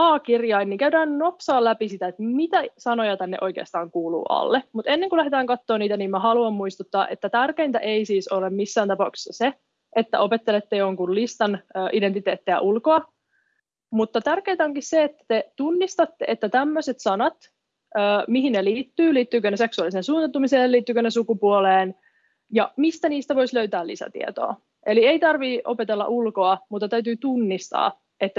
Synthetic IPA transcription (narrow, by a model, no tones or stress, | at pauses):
ɑːkirjɑinːiŋkæydæːnnopsɑːlæpisit̪æet̪mit̪æsɑnojɑt̪ænːḛʔo̞jk̟ḛːst̪ɑːŋkuːlṵːʔɑ̰lːemut̪e̞nːeŋkulæɦet̪æːŋkɑt̪ːoːniːt̪æniːmmæhɑluɑmmuist̪ut̪ːɑːʔḛt̪ːæt̪ærkeint̪æ̰ʔeisiːsolemmisːæːnt̪ɑpɑukse̥sːɑse | ʔet̪ːæ̰ʔo̞pet̪ːelet̪ːejoŋkullist̪ɑnøːʔident̪it̪eːt̪ːeæ̰ʔulkoɑ | mut̪ːɑt̪ærkeːt̪æoŋkisseet̪ːæ̥t̪et̪unːist̪ɑt̪ːe̞et̪ːæt̪æmːøset̪sɑnɑt̪ | øːmiɦinneliːt̪ːyːliːt̪ːyːkøneseksuɑliseːnsuːnɑt̪ːumiseːlːiːt̪ːykønesukupuoleːn | jɑmist̪æniːst̪æʋo̞jsløɥt̪æːlḭsæ̰t̪ḭḛt̪o̰ː | ʔeliejt̪ɑrʋiːʔopet̪elːɑ̰ʔulko̞ɑmut̪ːɑt̪æyt̪̬yːt̪unːist̪ɑ̰ː | et̪ːæ